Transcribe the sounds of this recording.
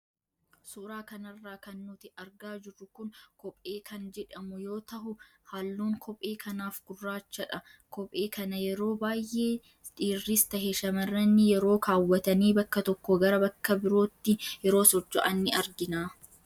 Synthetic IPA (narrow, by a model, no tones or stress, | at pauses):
suːɾaːkɐnɐrːaːkɐnːʊt̪ɪɐɾɡaːd͡ʒɪrːʊkʊnkɔpʼe̞ːkʰɐnd͡ʒɛᶑɐmʊjo̞ːt̪ɐɦʊ | halːuːŋkʰɔpʼːe̞ːkʰɐnaːfɡ̥ʊrːaːt͡ʃːɐᶑɐ | kɔpʼeːkɐnɐjɛɾo̞ːbaːjːʔe̞ː | ᶑ̪ʼiːrːɪst̪ɐɦeʃɐmɐrːɐnːɪjɛɾo̞ːkaːwːɐt̪ɐniːbɐkːɐt̪ɔkːɔɡɐɾɐbɐkːɐbɪɾo̞ːt̪ːɪjɛɾo̞ːsɔd͡ʒːɐʔɐnːɪɐɾɡɪnaː